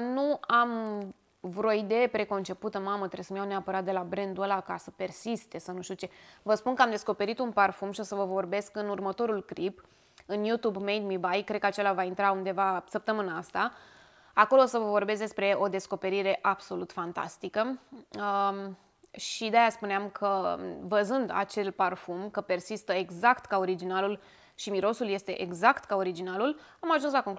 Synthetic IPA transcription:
nuam | vɾooid̪e̞jepɾe̞ko̞nt͡ʃe̞put̪əmamət̪ɾesəmjawneapəɾat̪̚d̪e̞labɾe̞nd̪uəlakasəpe̞rsist̪e̞sanuʃt̪iut͡ʃe̞vəspunkəamd̪e̞sko̞pe̞ɾit̪unparfumʃio̞səvəvo̞rbe̞skɨnurmət̪o̞ɾulkɾip | ɨnjut̪ubmejd̪mibajkɾd̪̚kat͡ʃe̞lavaint̪ɾaund̪e̞vasəp̚t̪əmɨnaast̪a | ako̞lo̞səvəvo̞rbes̬d̪espɾe̞ʔo̞d̪e̞sko̞pe̞ɾiɾe̞ʔab̥so̞lut̪fant̪a̰st̪ikə | ʃid̪eajaspuneamkʰəvəzɨnd̪a̰t͡ʃe̞lparfumkəpe̞rsist̪əeɡzakt̪kaoɾid͡ʒinalul | ʃimiɾo̞sulje̞st̪e̞ʔeɡzakt̪kao̞ɾid͡ʒinalulamaʒunslakoŋk

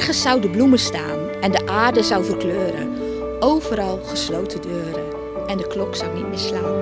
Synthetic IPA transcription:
ɣəsːɑwdəbluməsta̰ːn | ɛndəʔaːrdəzawfərkløːɾə̰ | owvəɾɑlˠɣəslowtədøːɾə | ɛndəklɔksawnit̚mɪːslaːn

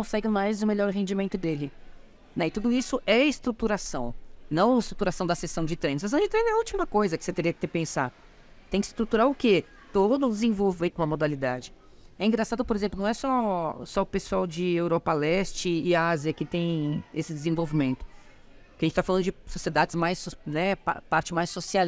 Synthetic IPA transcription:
kõsɛɡɪ̃majzʊmeʎɔɾɦẽnd͡ʒimẽnt̪ʊd̪elɪ | nɛ̃ɪt̪ud̪ʊisʊʔɛɪst̪ɾut̪uɾasɐ̰̃w̃nɐ̃w̃ɪst̪ɾut̪uɾasɐ̃w̃d̪ɐsesɐ̃w̃d͡ʒɪt̪ɾẽjnɐsesɐ̃w̃d͡ʒɪt̪ɾẽj̃nɛuwt͡ʃimɐkojzɐkɪ̥set̪eɾiɐkɪt̪epẽsa̰ | t̪ẽj̃kɪst̪ɾut̪uɾaʊke | t̪od̪d̪̃d̪ɪzẽvowvʊaikõɐmod̪alid̪ad͡ʒɪ | ɛĩŋɡɾasad̪ʊpoɾezẽplʊñw̃ɛsɔsɔʊpesuawd͡ʒɪewɾɔpɐlɛst͡ʃɪːaziɐkɪt̪ẽj̃esɪd̪ezẽvowvimẽnt̪ʊ̥ | kɪɐʒẽt͡ʃɪt̪afalɐ̃d̪ʊd͡ʒɪsosied̪ad͡ʒɪzmajsnɛpa̰paɾt͡ʃɪmajsːosia

